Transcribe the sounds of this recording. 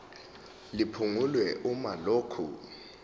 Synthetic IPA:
lipʰuŋulwɛʔumaloːkʰṵ

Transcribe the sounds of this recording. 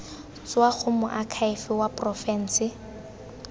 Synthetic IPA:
t͡swaχʊmʊʔakʰaɪfɪwapʼrɔfɛn̩ːsɪ

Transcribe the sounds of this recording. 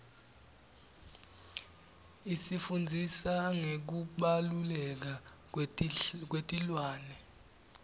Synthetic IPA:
isifund͡zʱisaŋek̬uɓalulɛk̬a | k̬wetʼilwaːnɛ

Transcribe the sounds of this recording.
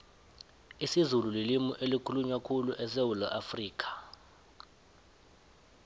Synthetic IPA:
isizululilimuʔelikʰuluɲwakʰuluʔɛs̬ewulɔʔafriːk̬ʰʼḁ

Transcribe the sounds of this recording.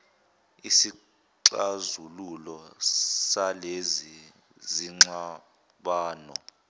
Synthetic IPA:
isi | ǀazululɔsalezi | ziŋ͡ǁa | ɓaːnɔ̰

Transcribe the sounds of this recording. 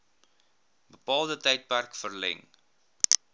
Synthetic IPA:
bəpɑːlˠdətɛjt̚pærkfərlɛ̰ŋ

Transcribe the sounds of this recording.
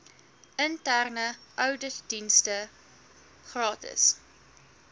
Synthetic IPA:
əntærnəʔœwdədinstə | χrɑːtə̰s

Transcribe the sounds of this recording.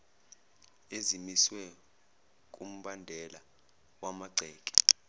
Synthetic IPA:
ezimiswɛ | k̬ʼum̩ɓandʱɛla | wamaɡ͡ǀʱɛːkʼi̥

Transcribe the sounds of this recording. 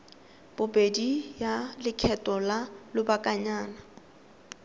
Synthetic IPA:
b̥ʊbʼedijalɪkʰɛtʼɔlalʊbakʼaɲaːna

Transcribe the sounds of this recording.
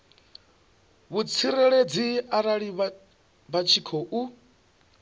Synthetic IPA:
βut͡sʰiɾɛɺed͡ziaɾaɺiβ | bat͡ʃʰikʰɔʔu

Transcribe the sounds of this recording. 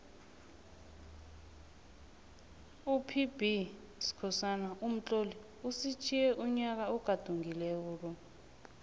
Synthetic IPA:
upʰib̥ʱi | si̥kʰɔsanaʔum̩t͡ɬʼoli | usit͡ʃʰijɛʔuɲak̬auɡ̥ʱad̥ʱuŋilɛuːl̬ɔ

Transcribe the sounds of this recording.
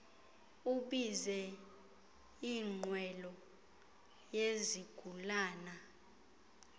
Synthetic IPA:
uɓizɛ | iŋ͡ǃwɛlɔ | jeziɡ̥ʱulaːna

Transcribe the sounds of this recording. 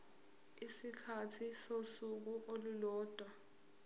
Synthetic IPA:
isikʰatʰisosuk̬uʔolulɔːd̥ʱwa

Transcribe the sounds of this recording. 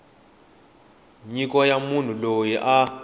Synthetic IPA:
ɲik̬ʼɔjamun̤ulojiʔa

